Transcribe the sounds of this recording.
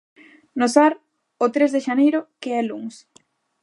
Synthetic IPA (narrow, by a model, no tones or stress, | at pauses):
nosaɾ | ʊt̪ɾezðeʃanejɾʊkeɛluŋs